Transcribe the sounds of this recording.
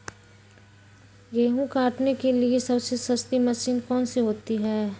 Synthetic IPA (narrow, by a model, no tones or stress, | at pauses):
ɡeːɦũkaːʈnekeliesɐbsesɐst̪imɐsiːnkɔːnseɦoːt̪iɦɛː